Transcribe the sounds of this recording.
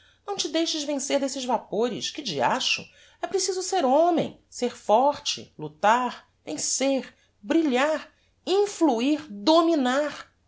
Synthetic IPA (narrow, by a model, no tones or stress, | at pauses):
nɐ̃w̃t͡ʃɪd̪ejʃɐʒvẽseɾd̪esɪzvapoɾɪ̰ʃkɪd͡ʒia̰ʃʊ̰ | ɛpɾesizʊseɾõmḛ̃j̃seɾfɔɾt͡ʃɪ̰lut̪aɾ | vẽseɾ | bɾiʎaɾ | ĩfluiɾd̪ominaɾ